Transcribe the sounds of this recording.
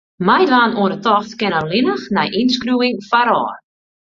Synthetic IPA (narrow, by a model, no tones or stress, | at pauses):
majdʋaːnuənətɔxtkɪnəlɪnəxnɛjʔinskruɪŋfaɾɔː